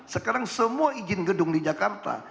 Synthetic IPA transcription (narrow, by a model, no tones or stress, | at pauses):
səkaɾaŋsəmuaid͡ʒɪnɡədʊŋdid͡ʒakart̪a̰